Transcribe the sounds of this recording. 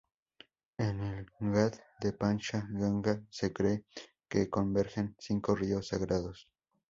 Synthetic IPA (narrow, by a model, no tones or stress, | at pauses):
enelɡaðd̪epant͡ʃaɣaŋɡasekɾe | kekombe̞ɾxensiŋkoriosːaɣɾaðos